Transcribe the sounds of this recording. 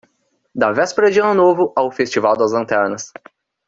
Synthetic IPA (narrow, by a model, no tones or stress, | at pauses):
d̪avɛspeɾɐd͡ʒiɐ̃nʊnovʊʔawfest͡ʃivawd̪ɐzlɐ̃nt̪ɛɾnɐs